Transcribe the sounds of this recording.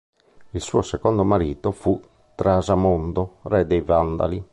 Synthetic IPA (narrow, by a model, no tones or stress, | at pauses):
ilsuːosɛkond̪omaɾiːt̪ofu | t̪ɾazamond̪orɛd̪ejvand̪a̰li